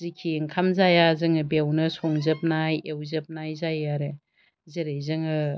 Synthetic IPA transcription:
zikʰːiŋkʰamzajazɯŋɯbewnɐsoŋzɐp̚najewzɐp̚najzajaɾe | zeɾejzɯŋɯ

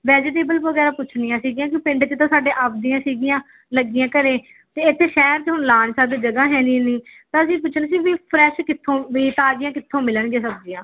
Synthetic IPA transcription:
ʋɛːd͡ʒɪʈ̪eːbəlʋəɡɛːɾaːpʊt͡ʃʰnijãːsiːɡijãːk̬ɪpɪɳɖt͡ʃt̪ãːsaːɖeːʔaːp̚ʰd̪ijãːsiːɡɪjãː | ləɡɪjãːkəɾeː | t̪eːɪt̪ʰːeːʃɛːɾt͡ʃɦʊɳlaːnːsaːd̪iːd͡ʒəɡaːɦɛ̃ːniːniːt̪ãːəsĩːp̬ʊt͡ʃʰnesiːʋiːpʰɾɛːʃkɪt̪ʰːõːʋiːt̪aːd͡ʒɪjãːkɪt̪ʰːõːmɪləɳɡeːsəbd͡ʒɪːãː

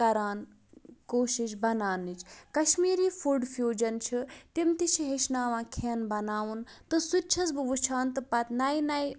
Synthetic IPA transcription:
ɐɾaːn | koːʃiʃ̬bɐnaːnit͡ʃʰkɐʃmiːɾiːfʰuɖfʰjuːd͡ʒɐnt͡ʃʰit̪imt̪it͡ʃʰiɦeʃnaːʋãːkʰenbɐnaːʋunt̪ɨsutt͡ʃʰɐsbɨʋut͡ʃʰaːnt̪ɨpɐt̪nɐjnɐj

